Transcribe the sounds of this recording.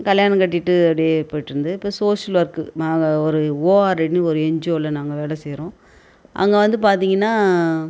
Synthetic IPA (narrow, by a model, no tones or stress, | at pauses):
kɐljaːɳɐ̃kɐʈːɪʈːɯɐpɽɪjepoːjɪʈːɯɾɯnd̪ɯɪpːoːsoːʂɐlʋɐɾkɯaːɡɐɔɾɯoːaːɾɛɽnɯɔɾɯɛɲd͡ʒoːlːɐnaːŋɡɐʋeːlɛsɛjɾõː | ʔɐ̰ŋɡɐʋɐnd̪ɯp̬aːɾt̪̬iːŋɡɐnːaː